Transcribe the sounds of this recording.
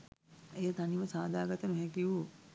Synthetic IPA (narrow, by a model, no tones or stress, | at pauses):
ejət̪aniʋəsaːd̪aːɡat̪ənuɦɛkiʋu